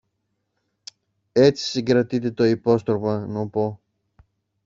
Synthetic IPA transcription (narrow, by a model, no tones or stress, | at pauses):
e̞t͡si̥siŋɡɾɐt̪it̪e̞t̪o̞ipo̞st̪ɾopɐnopo̞